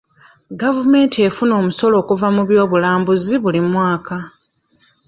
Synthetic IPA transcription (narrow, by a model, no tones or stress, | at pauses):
ɡavume̞ːntie̞funo̞ːmuso̞lo̞ːkuvamuβjo̞ːβulaːmbuziβulimwaːka